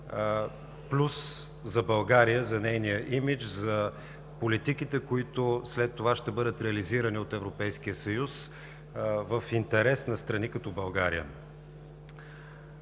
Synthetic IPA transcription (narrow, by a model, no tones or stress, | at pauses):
plʲus | zɐbɐlˠɡaɾijəzɐnɛjnijəʔimit͡ʃzɐ | polit̪ikit̪ɛkoit̪oslɛt̪ːovaʃt̪ɛbɤd̪ət̪ɾɛɐliziɾəniot̪ɛvɾopɛjsk̟ijəsɐjus | vəfint̪ɛɾɛsnɐst̪ɾɐnikɐt̪ɔbɐlˠɡaɾijə̰